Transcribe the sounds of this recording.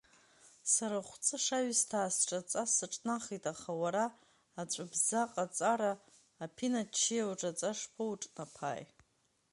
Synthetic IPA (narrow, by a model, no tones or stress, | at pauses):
saɾaχʷt͡sʼɨʂaɥstʰaːsʈ͡ʂʼat͡sʼasɨʈ͡ʂʼnaχitʼaχawaɾaː | t͡ɕʷʼabzaqʼat͡sʼaɾaː | pʰinat͡ʃʰːijawʈ͡ʂʼat͡sʼaʂpʰɨuʈ͡ʂʼnapʰa̰ːj